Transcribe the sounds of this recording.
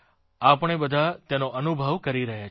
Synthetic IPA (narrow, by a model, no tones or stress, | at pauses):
apəɳ̃ebəd̪ʱat̪enoʔənubʱəʋkəɾiɾəɦja